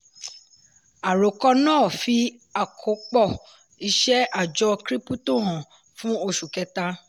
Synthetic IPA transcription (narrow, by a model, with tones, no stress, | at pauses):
a˨ɾo˨kɔ˦nãː˦˨fi˧˦ | a˨kʰo˨˦k͡pɔ˦˨ | i˦˧ʃɛ˦a˦˨d͡ʒɔ˧kɾi˦pu˦to˦˨ɦã˨ | fũ˦o˧ʃu˨kɛ˧ta˧˦